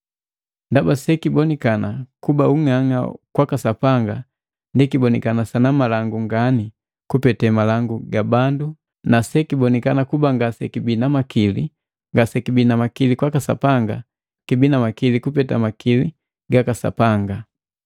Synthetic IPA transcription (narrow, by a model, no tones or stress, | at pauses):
ndabasɛkibɔnikanakubauŋaŋa̰kwakasapaŋɡa | ndikibɔnikanasanamalaŋɡuŋɡani | kupɛtɛmalaŋɡuɡabandu | nasɛkibɔnikanakubaŋɡasɛ̰kibinamakʰilḭ | ŋɡasɛkibinamakilikwakasa̰paŋɡa | kibinamakilikupɛta̰makili | ɡakasa̰paŋɡa